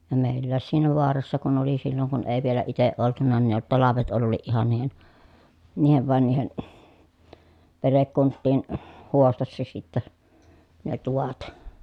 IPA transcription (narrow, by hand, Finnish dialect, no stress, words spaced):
jɑ meˑilːæːs siːnæ ʋoɑrɑsːɑ kun oli silːoŋ kun eˑi ʋielæ iteʔ ʔoltunɑ ni ne tɑlɑʋet olːiːʔ ʔihɑn niːhen niːhen ʋɑˑi̯n niːhen perekːuntːiːn huostɑsːɑ sitːæ ne tuʋɑt